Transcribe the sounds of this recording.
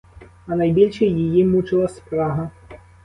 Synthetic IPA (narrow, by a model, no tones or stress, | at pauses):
ɐnɐjbʲilʲʂɛjjijimut͡ʃɪlˠɐspɾaɦɐ